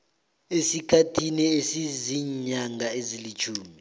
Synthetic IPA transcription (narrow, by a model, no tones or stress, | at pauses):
esikʰatʰiniesiziɲaŋʱaezilit͡ʃʰuːmi